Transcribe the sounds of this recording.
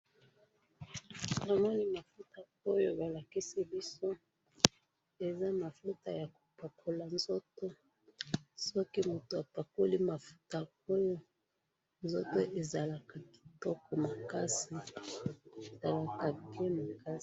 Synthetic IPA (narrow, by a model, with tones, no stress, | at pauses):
na˨mɔ˦ni˦ma˨fu˦ta˨ | o˦jo˦ba˨la˨ki˦si˦bi˦so˦ | e˨za˦ma˨fu˦ta˦ja˨ko̥˨pa˨kʰo˨la˨nzɔ˦to˦ | so˦ki˦mu˨to˨a˨pa˨ku˦li˦ma˨fu̥˦ta˨ | o˦jo˦ | nzɔ˦to˦ʔe˨za˨la˨ka˨ki̥˨tɔ˦kɔ˨ma˨ka˦si˨ | za˨la˨ka˨pi˦e˦ma˨ka˦